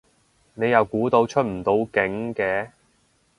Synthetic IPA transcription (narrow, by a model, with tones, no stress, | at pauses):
ne˨˧jɐ˨wkuː˨˥t̪o˧wt͡ʃʰɵ˥t̚m̩˨˩t̪o˧wkɪ˨˥ŋkɛː˨˧